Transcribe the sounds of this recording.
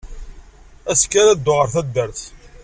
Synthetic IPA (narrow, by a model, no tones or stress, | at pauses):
æskːaɾæd̪ːoʁəɾθæd̪ːəɾθ